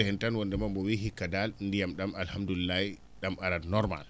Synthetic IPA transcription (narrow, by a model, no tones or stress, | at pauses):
hɛntanwɔndɛmambɔwiɦikːadalndijamɗamalhamdulilːai | ɗamaɾadnɔɾma̰l